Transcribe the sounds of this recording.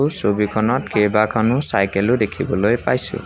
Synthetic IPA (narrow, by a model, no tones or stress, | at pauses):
sobikʰɔnɔtkebakʰanʊsajkelʊdekʰibɔlojpajsʊ̰